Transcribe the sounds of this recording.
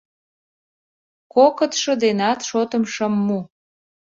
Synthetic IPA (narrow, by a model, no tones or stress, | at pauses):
kokət̪ʃə̆d̪enɑt̪ʃot̪ə̆mʃəmːu